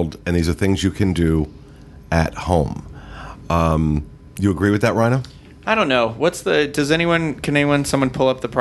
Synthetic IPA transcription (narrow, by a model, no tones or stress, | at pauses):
lˠdɨ̃nðizə˞θɪ̃ŋzjɨkʰɨ̃ndɨ | ɨt̚hõʊ̃m | m | jɨəɡɹiwɨðɨt̚ɹãɪñə | aɪɾõʊ̃nːoʊwʌtsðɨdʌzɛñiwʌ̃nkʰɨ̃nɛniwʌ̃nsʌ̃mwʌ̃npʰʊlˠʌp̚ðəpʰɹ̥